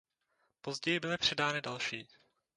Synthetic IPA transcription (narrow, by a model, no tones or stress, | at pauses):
po̞zɟɛjɪbɪlɪpr̝̥ɛdaːnɪdalʃiː